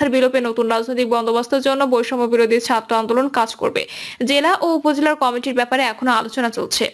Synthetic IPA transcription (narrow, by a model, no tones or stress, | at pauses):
aɾbilopenot̪unɾad͡ʑnojt̪ik̚bɔnd̪obast̪ʰaɾd͡ʑonːobojʃɔmobiɾod̪ʱiɾt͡ɕʰat̪ːɾoand̪olonkad͡ʑko̰ɾbḛd͡ʑelaʔoupod͡ʑelaɾkɔmiʈiɾbɛpaɾeɛkʰonoalot͡ɕonat͡ɕolt͡ɕʰḛ